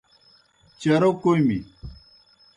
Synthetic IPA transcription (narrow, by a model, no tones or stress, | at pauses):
t͡ɕɐɾokoimi